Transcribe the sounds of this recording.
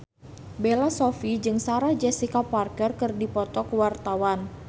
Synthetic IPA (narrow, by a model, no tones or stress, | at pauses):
belasɔfid͡ʒɨŋsaɾad͡ʒɛsikaparkərkɨrdipɔt̪ɔkwart̪awan